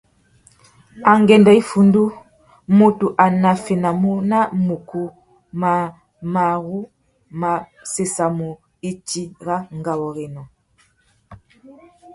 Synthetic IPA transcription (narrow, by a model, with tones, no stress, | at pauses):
a˨ŋɡɛ˨nda˨i˦fu˨ndu˦ | mo˨tu˨ʔa˨na˨fe˨na˨mu˦na˦mu˨ku˦ | ma˨ | ma˨ɣu˦ | ma˨se˨sa˨mu˨ | i˦ti˦ɣa˦ŋɡa˨wɔ˨ɣe˨nɔ˨